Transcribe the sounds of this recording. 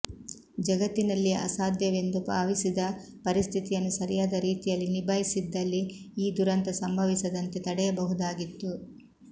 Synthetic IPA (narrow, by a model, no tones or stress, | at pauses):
d͡ʒɐɡɐt̪ːinɐlːiɐ̰saːd̪jɐʋend̪upaːʋisid̪ɐ | pɐɾist̪ʰit̪ijɐnːusɐɾijaːd̪ɐɾiːt̪ijɐlːinibʱajisid̪ːɐlːiiːd̪uɾɐnt̪ɐsɐmbʱɐʋisɐd̪ɐnt̪et̪ɐɽɛjɐbɐɦud̪aːɡit̪ːu